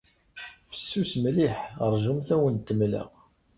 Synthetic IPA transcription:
fə̥sːusmliħəɾˤʒumθæwənt̪ːəmlə̰ʁ

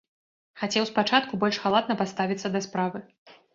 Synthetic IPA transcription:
xat͡sʲɛwspat͡ʂat̪kubɔlʲʂxalˠad̪̚nɐpat̪st̪avʲit̪sːɐd̪ɐspɾavɨ

